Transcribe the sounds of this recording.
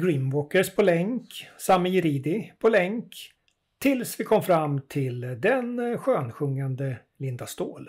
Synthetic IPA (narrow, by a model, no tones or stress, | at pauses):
ɡɾiːnvɔkːəʂpʰɔlɛŋksamːɪjɪɾiːd̪ɪpʰɔlɛŋk | t̪ʰːɪlsvɪkʰɔmːfɾamːt̪ʰɪld̪ɛnɧøːnɧɵŋːand̪ə | lɪnd̪ast̪oːl